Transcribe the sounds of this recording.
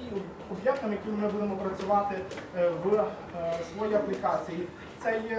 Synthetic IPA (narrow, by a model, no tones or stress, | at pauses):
ɔbjɛkt̪ɔmjɐkɪmɪbud̪emɔpɾɐt͡sʲʊʋɑt̪ɪʋ | sʋɔjiɐplʲɪkɑt͡sʲiji | t̪sɛj